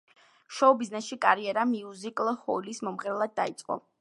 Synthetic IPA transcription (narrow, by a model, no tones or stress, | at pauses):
ʃɔbiznɛsʃikʼaɾiɛɾamiuzikʼlˠhɔlismɔmʁɛɾɛlˠad̪̚ːait̪sʼqʼɔ̰